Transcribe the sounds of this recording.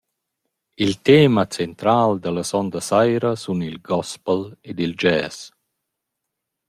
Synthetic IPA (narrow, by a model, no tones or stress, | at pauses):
ilt̪eːmat͡sent̪ɾaːld̪əlasɔnd̪əsajɾəsunilɡɔspəled̪ild͡ʒɛːs